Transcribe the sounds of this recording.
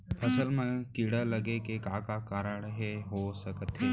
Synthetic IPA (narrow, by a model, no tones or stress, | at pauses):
əsəlmənkiɽələɡekekakakaːɾəɳ̃ɦeɦosəkət̪ɦe